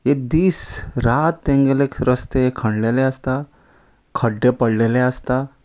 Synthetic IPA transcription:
jed̪iːsɾat̪ːẽŋɡelekɾəst̪ekʰəɳɖleleəst̪a | kʰəɖːepəɽleleəst̪a

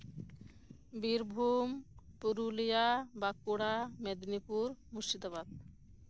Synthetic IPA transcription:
biɾbʱumpuɾulijabakuɽamed̪nipuɾmuʃt͡ʃid̪oβad̪̚

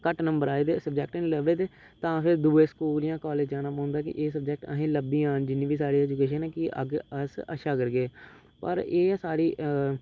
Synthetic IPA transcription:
kəʈnə̃mbəɾaːeːd̪eːsəbd͡ʒɛːk̚ʈənĩːləʋeːd̪eː | t̪ãːpʰɪɾd̪uːeːskuːlijãːkɔːleːd͡ʒd͡ʒãːnaːpə̃ːnd̪aːkɪ̰ʔeːs̬əb̚d͡ʒɛk̚ʈə̰ɦẽːləbiːãːnd͡ʒɪnːĩːbiːsaːɾiːɛːd͡ʒukeːʃənɛːkɪə̰ɡəsə̰ʃaːkəɾɡeː | pə̰ɾeːsaːɾiː

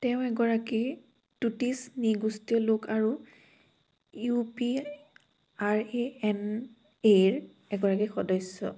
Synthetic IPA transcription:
tɛʊ̃ɛɡɔɹaki | tutisniɡustiɔlokaɹu | jupi | aɹeɛn | eɹ | ɛɡɔɹakixɔdɔsːɔ̰

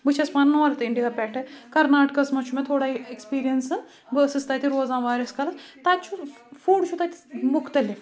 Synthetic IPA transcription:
bɨt͡ʃʰɐspaːnnɐʋɐːɾt̪ɪɳɖikaːpʲɛːʈekɐɾnaːʈkɐsmɐt͡ʃʰumẽt̪ʰoːɽaːiekspiːɾijɐnsɨ | bəːsist̪aːt̪ʲiɾoːzãːʋaːɾʲɐskɐlɐst̪aːt͡ʃʰu | fuːɖt͡ʃʰut̪at̪ʲimʊxt̪ɐlif

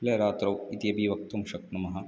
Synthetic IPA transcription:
pleːɐɾaːt̪ɾɐwit̪ijɐbiʋɐk̚t̪umʃɐknɐmɐɦɐ

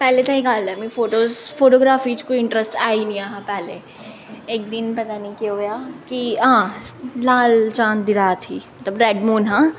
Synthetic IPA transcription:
pɛːlet̪ʰaikaːld̪amĩfoːʈoːzfoːʈoːɡɾaːfit͡ʃkoiɪ̃ɳʈɾəsʈaːinĩaːɦãpɛːlḛ | eːk̚d̪ɪnpɐt̪anĩkeɦoːjaːkiɦãːlaːlt͡ʃãːnd̪ɪɾaːt̪ʰiːmmɐt̪ləbɾɛːɖmuːnɦãː

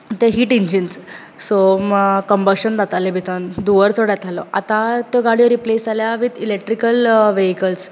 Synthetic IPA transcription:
t̪eɦiːʈiɲd͡ʑins | sokəmbəɾɕənd͡z̪at̪alebʱit̪ənd̪uʋəɾt͡soɽjat̪ʰalɔʔat̪ãt̪oɡaɽijɔɾiplesd͡zaljaʋit̪ilek̚ʈɾikəlʋeɦikəls

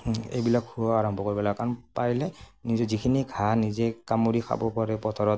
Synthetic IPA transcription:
ḛjbilakhuɔaɹɔmbʱɔkoɹibɔlaɡkaɹɔnpaɹilɛnizɔzikʰiniɡʰʱanizɛkamuɹixʰa̰bɔpaɹɛpɔtʰɔɹɔt̚

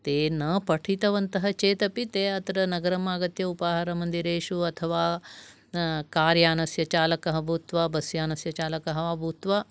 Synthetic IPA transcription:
t̪eːnɐpɐʈʰit̪ɐʋɐnt̪ɐɦɐt͡ʃeːt̪ɐpit̪eːɐt̪ɐɾɐnɐɡɐɾɐmaːɡɐt̪jɐupaːɦɐɾɐmɐnd̪iɾeːʃuɐt̪ʰɐʋaː | kaːɾjaːnɐsjɐt͡ʃaːlɐkɐɦɐbʱuːt̪ʋaːbɐsjaːnɐsjɐt͡ʃaːlɐkɐɦɐʋabʱuːt̪ʋaː

